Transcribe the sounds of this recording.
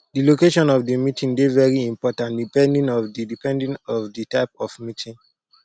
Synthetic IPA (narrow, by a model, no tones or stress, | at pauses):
dilokeʃɔ̃nɔvdimitʰĩŋdevɛɹiĩmpɔtãntdipɛ̃ndĩnɔvdidipɛ̃ndĩnɔvditaɪpɔfmitʰĩŋ